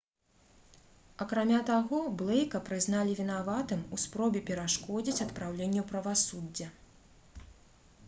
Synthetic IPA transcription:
ɐkɾamʲat̪aɣɔblˠɛjkɐpɾɨzn̪alʲivʲinavat̪ɨmuspɾɔbʲɛpʲɛɾaʂkɔd͡zʲit͡sʲɐt̪pɾawlʲenʲːɛwpɾɐvasud͡zʲːɐ

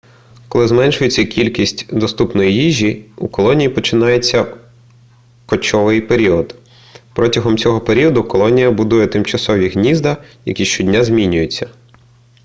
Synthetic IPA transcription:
kɔlˠɪzmɛnʃʊjet͡sʲːɐkʲilʲkʲisʲtʲd̪ɔst̪upnɔjijiʒʲiukɔlˠɔnʲijipɔt͡ʃɪnɑjet͡sʲːɐ | kɔt͡ʃɔʋɪjpeɾʲiɔd̪ | pɾɔtʲɐɦɔmt͡sʲɔɦɔpeɾʲiɔd̪ʊkɔlˠɔnʲijɐbʊd̪ujɛt̪ɪmt͡ʃɐsɔʋʲiɦnʲizd̪ɐjɐ̰kʲiʃt͡ʃɔdʲnʲazʲmʲinʲʊjet͡sʲːɐ

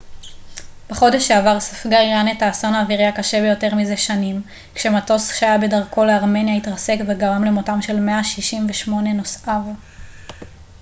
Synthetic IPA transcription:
b̥eχo̞de̞ʃeavaʁsafɡaʁjanetaːsonaviʁjakaʃebejo̞te̞ʁmizeʃanim | kʃe̞mato̞sʃajabe̞daʁkʰo̞leaʁme̞njaitʁase̞kveɡaʁamlemotamʃe̞lme̞aʃiʃimveʃmo̞ne̞no̞sav

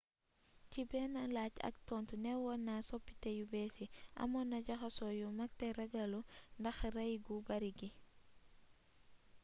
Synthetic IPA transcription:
cibɛnalaca̰k̚tɔntunɛwɔnːasopːi̥tejubesiʔa̰mɔnːaɟaxasɔjumak̚tɛɾɐɡɐlundɐxrɐjɡubaɾiɡi

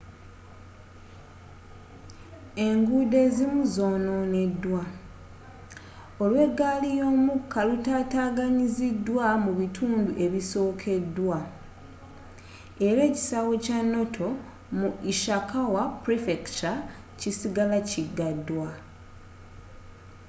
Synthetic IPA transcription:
e̞ŋɡude̞ːzimuzo̞ːno̞ːne̞dːwa | o̞lwe̞ɡːaːlijo̞ːmukːalutaːtaːɡaɲizidwamuβitʰuːnduʔe̞βiso̞ːkʰe̞dːwa | e̞ɾe̞ːci̥sawo̞canːo̞tʰo̞ | muiʃakawapɾifekta | cisiɡalaciɡːadːwa

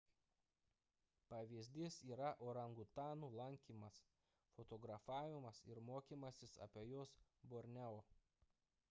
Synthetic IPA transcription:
pɐʋʲizʲd̪ʲɪsiːɾɐʔoːɾɐŋɡʊt̪ɑːnuːlˠɐŋʲkʲiːmɐs | fot̪oːɡɾɐfɑːʋʲɪmɐsɪ̰ɾmoːkʲiːmɐsʲɪsɐ̰pʲeːjoːsboːɾʲnʲɛoː

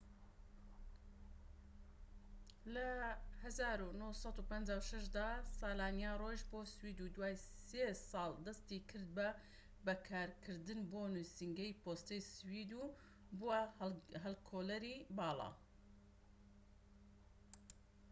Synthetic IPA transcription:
lɐhɐzaːɾunosɑt̪uːpɐnd͡ʒaːwʃɐʃd̪aːsɑːlaːnjaroʒboːswiːd̪ud̪waːjsesɑːlˠd̪ɐst̪ikʰɨɾd̪̚bɐ | bɐkʰaːɾkʰɨɾd̪ɨnboːnusiŋɡɛjpoːst̪ejswiːd̪u | buwaɦɛlkʰoːlɐɾibɑːlˠɑ̰ː

